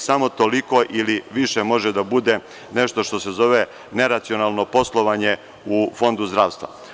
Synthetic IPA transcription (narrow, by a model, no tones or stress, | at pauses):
samo̞t̪o̞liko̞ʔiliʋiʃemo̞ʒed̪abud̪e̞ | ne̞ʃt̪o̞ʃt̪o̞se̞zo̞ʋe | ne̞ɾat̪sio̞naːlˠno̞po̞slˠo̞ʋaɲe̞ | ufo̞nd̪uzd̪ɾaːʋst̪ʋa̰